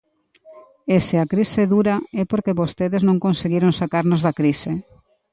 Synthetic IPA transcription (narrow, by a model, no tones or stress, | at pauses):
esɪakɾisɪðuɾaɛpoɾkeβost̪eðeznõŋkonseɣiɾoŋsakaɾnozðakɾise